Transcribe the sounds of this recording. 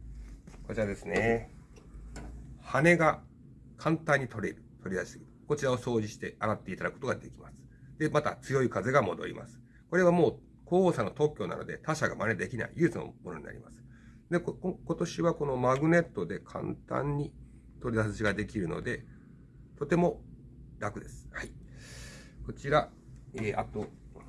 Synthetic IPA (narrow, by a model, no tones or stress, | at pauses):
ko̞t͡ɕiɾad̪e̞sɨne | hane̞ɡa | kʰãnt̪ãɲ̟ːit̪o̞ɾeɾɯ̟t̪ʰo̞ɾʲid̪aɕi̥sɨɡʲiɾɯko̞t͡ɕiɾao̞so̞ːd͡ʑiɕi̥t̪e̞aɾat̪ːe̞it̪ad̪akɯko̥t̪oɡad̪e̞kʲimasɨ̥d̪e̞mat̪a̰t͡sɨjo̞ikaze̞ɡamo̞d̪o̞̰ɾʲḭmʔa̰sɨ̥ | ko̞ɾe̞βamo̞ː | koːoːsanːo̞t̪o̞kʲːo̞na̰no̞d̪e̞̰t̪aɕaɡamaned̪e̞kʲina̰ḭjɯ̟ːt͡sɨno̰mo̞no̞ɲ̟ḭna̰ɾʲḭma̰sɨ̥ | d̪e̞ko̞t̪o̞ɕiβako̞no̞maɡɯ̟ne̞t̪ːo̞d̪e̞kʰã̰nt̪ã̰ɲ̟ːi | t̪o̞ɾʲid̪asɨʑiɡad̪e̞kʲiɾɯ̟no̞̰d̪e̞ | t̪o̞t̪e̞mo̞ | ɾakɯ̟d̪e̞sɨ̥hai | ko̞t͡ɕiɾa | eːʔa̰t̪o̞